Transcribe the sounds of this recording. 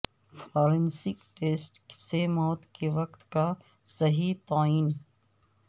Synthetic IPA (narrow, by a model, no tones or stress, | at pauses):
fɔːɾẽnsɪkʈeːsʈsemɔːt̪keʋɐqt̪ka | sɐɦit̪aːiːn